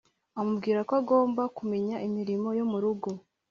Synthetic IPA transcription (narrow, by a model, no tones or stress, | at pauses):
amubɡiːɾakoaɡo̞ːmbakume̞ɲaʔimiɾimo̞jomuɾuɡo̞